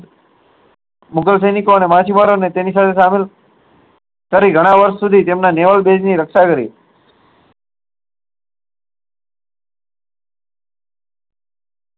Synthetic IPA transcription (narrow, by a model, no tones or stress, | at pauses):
mʊkəls̬əjnikoənemat͡ʃimaɾonet̪enisat̪ʰesamel | kəɾiɡʱəɽ̃aʋəɾʃsud̪ʱit̪emnaneʋəlbed͡ʒniɾəkʃakəɾḭ